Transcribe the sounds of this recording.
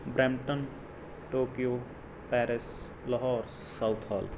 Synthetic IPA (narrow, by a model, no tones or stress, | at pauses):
bɾɛmʈən | ʈoːkijoː | pɛːɾɪs | ləɦɔːɾ | saʊt̪ʰa̰ːl